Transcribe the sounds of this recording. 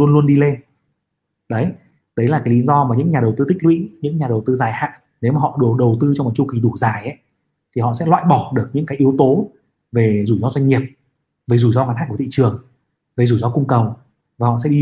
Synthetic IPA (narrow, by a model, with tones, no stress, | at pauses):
lu˧ənlu˧ənɗi˧le˧n | ɗə˨˦j | ɗə˨˦jlaː˨˩kaː˨˦jli˨˦zɔ˧maː˨˩ɲɨ̰˧˥ŋɲaː˨˩ɗə˨˩wt̪ɨ˧t̪ʰï˦˥k̚wḭ˧˥ɲɨ̰˧˥ŋɲaː˨˩ɗə˨˩wt̪ɨ˧zaː˨˩jha̰ː˧˨ŋ | ne˨˦wmaː˨˩ɔ̰˧˨ɗu˨˩ɗə˨˩wt̪ɨ˧t͡ɕɔ˧ŋ͡mɔ˨˩t͡ɕu˧xi˨˦ɗu˧˩zaː˨˩jʔə˨˦j | t̪ʰi˨˩ɔ̰˧˨sɛ̰˧˥lwa̰ː˧˨jɓɔ˧˩ɗɨ˨˩ək̚ɲɨ̰˧˥ŋkaː˨˦jʔi˨˦əwt̪o˨˦ | ve˨˩zu˧˩jzɔ˧zwa˧ŋ̟ːi˨˩əp̚ | ve˨˩zu˧˩jzɔ˧ɣaː˨˦nhaː˧˨ku˧˩t̪ḭ˧˨t͡ɕɨ˨˩əŋ | ve˨˩zu˧˩zɔ˧kʊ˧ŋ͡mkə˨˩w | vaː˨˩hɔ̰˧˨sɛ̰˧˥ɗi˧